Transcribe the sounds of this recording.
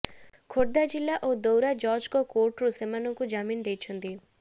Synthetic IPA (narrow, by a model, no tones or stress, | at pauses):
kʰoɽd̪ad͡ʒilːaʔod̪owɾad͡ʒɔɾd͡ʒkɔkoɾʈɾusemanɔŋkud͡ʒamind̪ejt͡ʃʰɔnt̪i